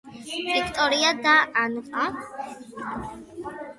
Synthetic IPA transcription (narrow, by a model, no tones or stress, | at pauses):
vikʰt̪ʼɔɾiad̪aʔanqʼã